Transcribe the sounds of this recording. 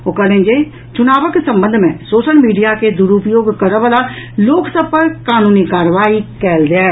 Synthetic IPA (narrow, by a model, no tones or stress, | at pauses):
oːkəlẽnd͡ʒe | t͡ʃʊnaːʋəksə̃mbə̃nd̪ʱmẽsoːʃəlmiːɖijaked̪ʊɾupjoːɡkəɾəʋəlaloːksəb̚pəɾkaːnuːnikaːɾʋaːikɛːld̪aː